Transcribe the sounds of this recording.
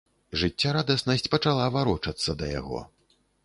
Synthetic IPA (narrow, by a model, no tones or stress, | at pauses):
ʐɨt͡sʲːaɾad̪ɐsnɐsʲt͡sʲpɐt͡ʂalˠavaɾɔt͡ʂɐt̪sːɐd̪ɐja̰ɣɔ̰